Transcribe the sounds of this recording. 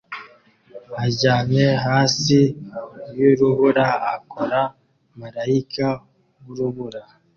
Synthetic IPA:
haɟaːneɦaːsijuɾuβuɾaakoɾa | maɾaikʰa | wuɾuβuɾa

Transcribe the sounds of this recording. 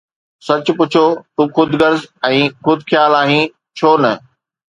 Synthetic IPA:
sɐt͡ɕpʊt͡ɕʰot̪uxʊd̪ʱɡɐɾzɛ̃ːxʊd̪ʱxjaːlaːɦĩ | t͡ɕʰoːnɐ

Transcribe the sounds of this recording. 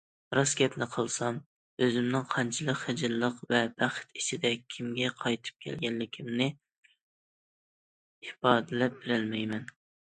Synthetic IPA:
ɾɑsɡʲɛpnɪqʰəlˠsɑm | øzɪmnɪŋqʰɑnt͡ʃʰɨlˠəqχɪd͡ʒɪɾlˠəqvɛb̥æχt̪i̥t͡ʃʰɪd̪ɛkʲʰimɡʲɛqʰɑjt̪ʰɨ̥p̚kʲʰɛ̰lɡʲɛnlɪkʲʰimnɪ | ɪfɑːd̪ɨlɛp̚b̥ɪɾɪlmɛjmɛn

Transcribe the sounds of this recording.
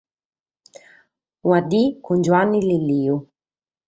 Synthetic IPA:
wad̪ikund͡ʒuanːililiːu

